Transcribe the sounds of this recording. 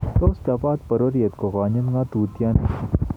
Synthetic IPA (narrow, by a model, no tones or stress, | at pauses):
t̪oːskaːbaːt̪̚pɐɾoɾijɐt̪koɣaːɲɐmɡãːt̪uːt̪ijaːnɐ